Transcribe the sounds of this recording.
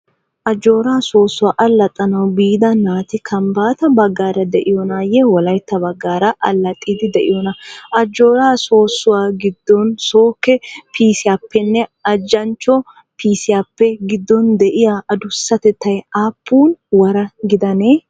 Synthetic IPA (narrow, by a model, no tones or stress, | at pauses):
ʔɐd͡ʒo̞ːɾaːso̞ːsːʊwaːʔɐlːɐt̪ʼːɐnɐwbiːd̪ɐnaːt̪ɪkʰɐmbaːt̪ɐbɐɡːaːɾɐd̪ɛʔɪjɔnaːjɛwɔlɐjt̪ːɐbɐɡːaːɾɐʔɐlːɐt̪ʼːiːd̪ɪd̪ɛʔɪjɔnɐʔɐd͡ʒːo̞ːɾaːso̞ːsːʊwaːɡɪd̪ːɔnsoːkːɛpʰiːsɪjapʰːɛnːɛɐd͡ʒːɐnt͡ʃːɔ | pʰiːsɪjapːɛɡɪd̪ːɔnd̪ɛʔɪjaʔɐd̪ʊsːɐt̪ɛt̪ːɐjaːpːuːnwɐɾɐɡɪd̪ɐneː